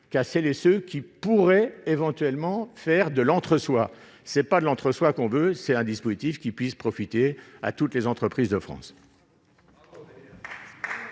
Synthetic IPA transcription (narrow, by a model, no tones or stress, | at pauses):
kaʁsɛlesøkʲipuʁɛevɑ̃t̪ɥɛlmɑ̃fɛʁd̪əlɑ̃t̪χəswa | sɛpad̪əlɑ̃t̪χəswakɔ̃vøsɛt̪ɛ̃d̪ispozit̪ifkʲipɥispχɔfit̪ea̰t̪ut̪lezɑ̃t̪χəpχizd̪əfχɑ̰̃s